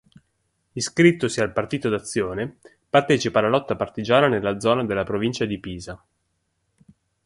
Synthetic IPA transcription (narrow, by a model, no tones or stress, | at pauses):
iskɾit̪ːosialpart̪iːt̪od̪at̪sːjoːne | part̪ɛːt͡ʃipalːalɔt̪ːapart̪id͡ʒaːnanelːad̪zɔːnad̪elːapɾovint͡ʃad̪ipiːza